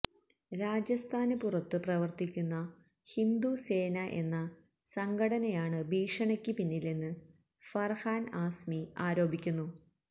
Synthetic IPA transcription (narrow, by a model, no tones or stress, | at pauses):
ɾaːd͡ʑjɐst̪ʰaːnɨpurɐt̪ːɨprɐʋɐrt̪ikʲːunːɐ | hind̪use̞ːnɐʔe̞̰nːɐ | sɐŋɡɐɽɐnɐjaːɳɨbʱiːʂɐɳɐkʲːɨpinːilenːɨ | fɐrhaːnaːsmiaːɾo̞ːbʱikʲːunːu